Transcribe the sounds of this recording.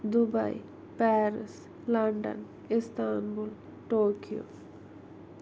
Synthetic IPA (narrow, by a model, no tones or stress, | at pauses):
d̪ubɐ̰i | pɛːɾɪs | lɐɳɖə̰n | ɪst̪aːnbul | ʈoːkijo̰